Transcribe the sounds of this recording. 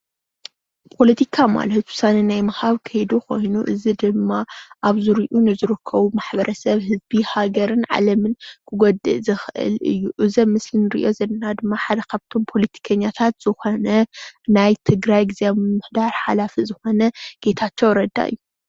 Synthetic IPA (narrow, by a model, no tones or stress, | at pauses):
pʰo̞lɐt̪ʰikʰama̰lɐt̪wʊ̥sanɐnajmɐhaβkʰɐjd̪uko̞jnuʔɨzid̪ɨmːaʔaβzɨɾiʔunɨzɨɾɨkʰːɐβumaħbɐɾʔɐsɐβɦɨzbihaɡɐɾɨnʕa̰lɐmɨnkʰɨɡod̪ɨ̰ʔzɨxʔɨ̰lɨ̰jːuʔɨzɐmːɨslinɨɾɨ̰ʔo̞zɐlɐnad̪ɨmːaħad̪ɐkʰaβt̪ʰo̞mpʰo̞lɐt̪ʰi̥kʰɐɲːat̪ʰat̪z̥ɨxo̞nɐnajt̪ʰɨɡɾajɡizejammɨħd̪aɾħalafizɨxo̞nɐɡ̥e̞t̪ʰat͡ʃːowɾɐd̪ːa̰ɨ̰jːu